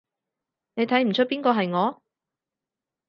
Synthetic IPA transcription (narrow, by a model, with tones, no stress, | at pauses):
ne˨˧jt̪ʰɐ˨˥jm̩˨˩t͡ʃʰɵ˥t̚piː˥nkɔː˧ɦɐ˨jŋɔː˨˧